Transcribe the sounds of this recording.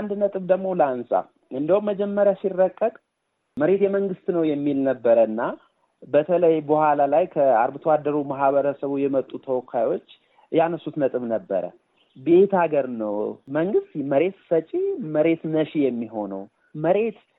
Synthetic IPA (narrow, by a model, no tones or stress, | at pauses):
and̪nət̪ʼɨβd̪əɡmo̞ləansa̰ | ʔɨnd̪əwumːəd͡ʒɛmːəɾjasirːəkʼːəkʼ | məɾe̞t̪jɛməŋɡɨst̪nəwjɛmːilnəbːəɾəɨnːa | bət̪ʰələjbohalalajkʰəa̰ɾbɨt̪ʰəwad̪ːəɾumaɦβəɾəsəβujɛmət̪ʼːut̪ʰəwɔkʰajo̞t͡ʃː | janəsːut̪nət̪ʼɨβnəbːə̰ɾə̰ | be̞t̪aɡəɾnə̰wməŋɡɨst̪məɾe̞t̪fət͡ʃʼiməɾe̞t̪nəʃijɛmːiɦo̞nə̰w | məɾe̞t̪